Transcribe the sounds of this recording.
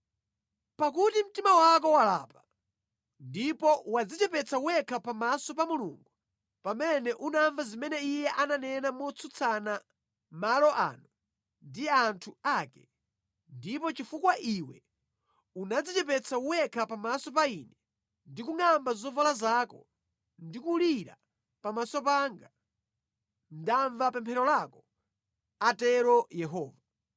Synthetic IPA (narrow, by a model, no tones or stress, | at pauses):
pak̬utim̩timawak̬ɔwala̰ːpa | ndipɔwad͡zit͡ʃɛpɛt͡sʰauwɛkʰapamasɔpamulṵŋɡu | pamɛnɛʔunaɱvazimɛnɛijɛʔananɛnamɔt͡sʰut͡sʰana | malɔʔa̰ːnu | ndiantʰuaːkɛ | ndipɔt͡ʃifukwaʔiwɛ̰ | unad͡zit͡ʃɛp̬ɛt͡sʰauwɛkʰapamasɔp̬ainɛ | ndikuŋambazzɔvalazaːkɔ̰ | ndikuliɾa̰ | pamasɔpaŋɡa | ndaɱvapɛmpʰɛɾɔlakɔ | atɛɾɔjɛɦɔːva